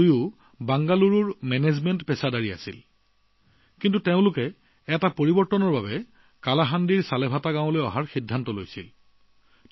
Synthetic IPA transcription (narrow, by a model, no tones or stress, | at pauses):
jʊ | baŋɡaluɹuɹmɛnezmɛntpɛsadaɹia̰sḭl | kintuteʊ̃lʊkɛ | ɛtapoɹibɔɹtɔnɔɹbabɛ | kalaɦandiɹsalɛbʱataɡãwʊ̃lojɔ̰ɦaɹxidʱːantɔlojsḭl